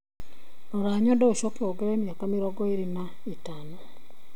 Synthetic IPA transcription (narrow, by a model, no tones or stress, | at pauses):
noɾaːɲɔndɛoʃɔkeɔɡɛɾɛmiakamiɾɔɡɔeɾina | itano